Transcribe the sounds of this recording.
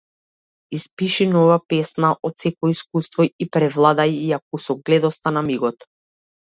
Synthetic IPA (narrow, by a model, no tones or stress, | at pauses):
ispiʃinɔvapɛsnaʔɔt̪sɛkɔiskust̪vɔipɾɛvlˠad̪ajiak̚usɔɡlɛd̪ɔst̪anamiɡɔt̪